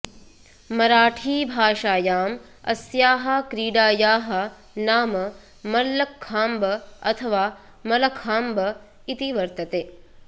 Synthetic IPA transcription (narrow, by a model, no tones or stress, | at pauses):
mɐɾaːʈʰiːbʱaːʃaːjaːm | ɐ̰sjaːɦɐ̆kɾiːɖaːjaːɦɐ̆ | naːmɐ | mɐlːɐkʰːaːmbɐɐt̪ʰɐʋaː | mɐlɐkʰaːmbɐ | it̪iʋɐɾt̪ɐt̪eː